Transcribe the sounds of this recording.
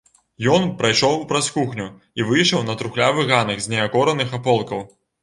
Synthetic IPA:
jɔnpɾajʂɔwpɾɐskuxnʲu | ivɨjʂɐwnɐt̪ɾuxlʲavɨɣanɐɣzʲnʲɛakɔɾɐnɨxapɔlˠkɐw

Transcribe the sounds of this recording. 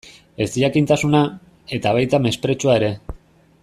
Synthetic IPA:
e̞siʎakint̪asuna | e̞t̪aβ̞ajt̪ame̞spɾe̞t͡ʃuaeɾe̞

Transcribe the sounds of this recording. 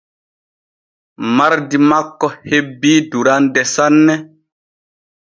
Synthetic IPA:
maɾdimakːɔhebːiːduɾandɛsanːɛ

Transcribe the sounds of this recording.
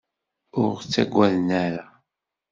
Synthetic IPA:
ʊɾt͡sːæ̰ɡʷːæðnæɾa

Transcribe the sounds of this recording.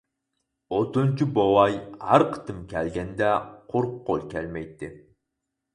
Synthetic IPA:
ot̪ont͡ʃʰibowɑjhæɾqʰə̥t̪ʰɨmkʲʰælɡʲɛnd̪ɛqʰʊɾqʰːolˠkʲʰɛlmɛjt̪ːɪ

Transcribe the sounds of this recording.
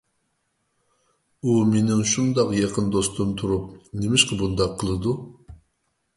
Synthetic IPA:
umenɪŋʃund̪ɑqjɑqʰənd̪ost̪umt̪ʰuɾup̚nemɪʃqʰəbund̪ɑqʰːəlˠɨd̪u

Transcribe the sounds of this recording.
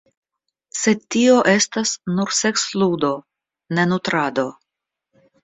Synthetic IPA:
se̞tio̞ʔe̞stasnuɾse̞ksludo̞ | ne̞nutɾado̞

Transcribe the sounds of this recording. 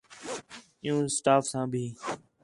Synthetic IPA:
ɪ̃jũːsʈaːfsãːbʱiː

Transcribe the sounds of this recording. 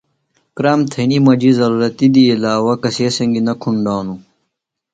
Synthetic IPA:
kɾaːmt̪ʰenimɐd͡ʑizɐɾuːɾɐt̪id̪iːlaːwɐkɐseːsɐŋɡinɐkʰuɳɖaːnu

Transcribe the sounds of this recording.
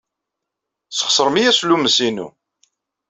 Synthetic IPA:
sə̥χsˤəɾˤmijæsluməsinṵ

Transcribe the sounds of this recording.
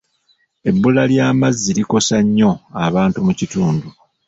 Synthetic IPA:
e̞bːulaljaːmazːiliko̞saɲːo̞aβaːntumucituːndu

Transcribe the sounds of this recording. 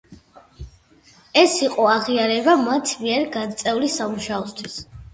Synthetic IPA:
ɛsiqʼɔaʁiaɾɛbamat̪ʰmiɛɾɡant̪sʼɛulisamuʃaɔst̪ʰwis

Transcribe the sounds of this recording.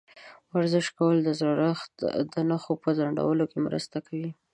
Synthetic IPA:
aɾzɪʃkawəld̪əzɾɑɾaxt̪d̪ənaxopəzaɳɖa̰wəlokemɾə̰st̪akʰawi

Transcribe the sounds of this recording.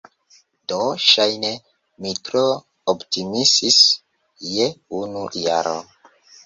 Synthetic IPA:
d̥oʃajne | mitɾo | optimisis | jeunujaɾo̰

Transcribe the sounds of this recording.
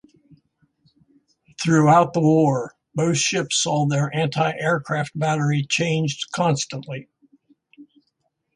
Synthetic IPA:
θɹʉaʊt̪̚ðəwɔɹ | boʊθʃɪpsɔðə˞ʔæ̃ntʰaɪʔɛɹkʰɹ̥æft̚b̥æɾə˞it͡ʃʰẽɪ̃nd͡ʒkʰɑ̃nstə̃nʔli

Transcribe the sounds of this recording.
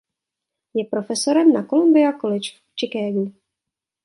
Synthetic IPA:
jɛpɾo̞fɛso̞ɾɛmnako̞lumbɪakolɪt͡ʃ | t͡ʃɪkɛːɡu

